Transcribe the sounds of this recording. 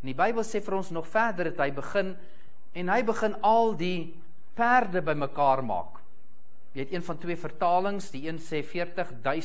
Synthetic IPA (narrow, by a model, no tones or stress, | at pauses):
ɛndibəjbəlˠsɛːfəɾɔnsnɔχfærdərɐtɦəjbəχən | ɛnɦəjbəχənɐlˠdi | pærdəbəjməkɑːrmɑ̰ːk | jəɛtiənfɐntwiəfərtɑːləŋsdiiənsɛːfiərtəχdœɥ